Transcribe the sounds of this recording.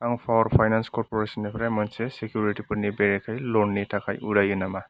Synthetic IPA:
aŋpʰaɾpʰajnanskɔɾpoɾesɔnːepʰɾajmansesekjuɾiʈipɯɾnibeɾekʰajlonːitʰakʰajʔuɾajɯnama

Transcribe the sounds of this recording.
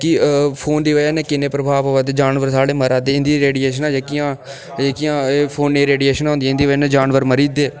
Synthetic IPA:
kipʰoːnd̪iːʋəjaːneːkɪnẽːpɾəbʱaːʋʋət̪eːd͡ʒaːnʋəɾsaːɽeːməɾaːd̪eːɪ̃nd̪iːɾeːɖieːʃənaːd͡ʒeːkɪãː | eːkɪjãːpʰoːnːeːɾeːɖieːʃənãːnd̪iɪnd̪iːʋəeːnẽːd͡ʒaːnʋəɾməɾiːd̪eː

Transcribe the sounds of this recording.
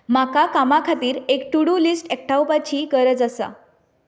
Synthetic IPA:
makakamakʰat̪iːɾekʈuɽulisʈɛk̚ʈawpat͡ɕiːkəɾət͡səsa̰

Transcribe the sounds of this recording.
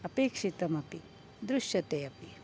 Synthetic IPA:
ɐpeːkʂit̪ɐmɐpi | d̪ɾuʃjɐt̪eːɐpi

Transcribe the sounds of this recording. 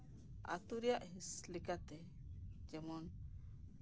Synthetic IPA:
a̰t̪uɾijaʔɦislikat̪ɛ | d͡ʒɛmɔn

